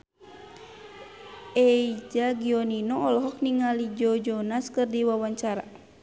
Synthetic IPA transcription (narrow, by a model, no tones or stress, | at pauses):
ʔɛid͡ʒaɡiɔninɔɔlɔɦɔk̚niŋalid͡ʒɔd͡ʒɔnaskɨrdiwawaɲt͡ʃaɾa̰